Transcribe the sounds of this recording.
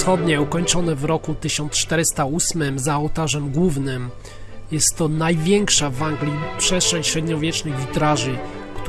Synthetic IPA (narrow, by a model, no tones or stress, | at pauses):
xɔd̪ɲɛukɔɲt͡ʂɔnɛvɾɔkut̪ɘɕɔnt̪st͡ʂt̪ɛɾɘst̪ausmɘmzaɔwt̪aʐɛmɡwuvnɘm | jɛst̪ːɔnajvʲjɛŋkʂavaŋɡlʲipʂɛstʂʂɛ̃ɲɕɾɛd̪ɲɔvʲjɛt͡ʂnɘɣvʲit̪ɾaʐɘ | kt̪